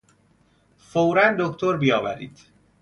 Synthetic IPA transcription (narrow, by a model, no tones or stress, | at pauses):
fowɾænd̪okt̪ʰoɾbijɒːvæɾḭːd̪̥